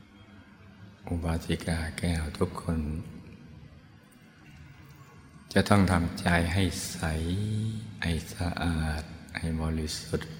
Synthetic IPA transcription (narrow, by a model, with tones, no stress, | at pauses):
ʔu˧˩baː˧˥t̪ʰi˧kaː˧˩kɛː˧˩wt̪ʰu˧˥kʰːo˧˥˨n | t͡ɕa˧˦t̪ʰɔ˥˩ŋt̪ʰa˧˦mt͡ɕaː˧jɦa˥˧˩jsa˧˦j | ʔa˧˩jsa˧ʔaː˨˩t̪̚ha˨˩jbɔː˧˦li˧su˧t̪̚